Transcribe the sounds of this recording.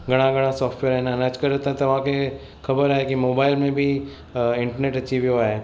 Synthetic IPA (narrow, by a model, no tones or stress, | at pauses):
ɡɐɽ̃aɡɐɽ̃asɔːfʈʋeːɾɦɛnanat͡ʃkəɾet̪ːt̪oʋãke | kɐbəɾaekimoːbaːɪlmẽbʱi | ɪ̃ɳʈəɾneːʈɐt͡ʃʰiʋjoaɦɛː